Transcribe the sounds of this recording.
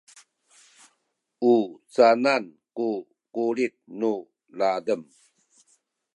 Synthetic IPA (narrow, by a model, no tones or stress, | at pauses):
ut͡sananku | kulit̪̚nu | ladəm